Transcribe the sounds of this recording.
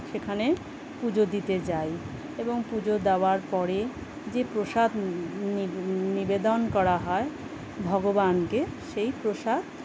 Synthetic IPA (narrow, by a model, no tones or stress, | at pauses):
ʃekʰane | pud͡ʑod̪it̪ed͡ʑaj | eboŋpud͡ʑod̪eoaɾpɔɾe | d͡ʑepɾoʃad̪ | nibed̪onkɔɾaɦɔe | bʱɔɡobankeʃejpɾoʃad̪̚